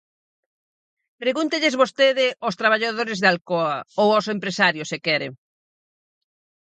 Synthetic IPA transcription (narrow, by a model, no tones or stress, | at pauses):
pɾeɣunt̪eʎɪzβost̪eðɪʔʊst̪ɾaβ̞aʎaðoɾɪzðalkoɐowosempɾesaɾjʊsekɛɾḛ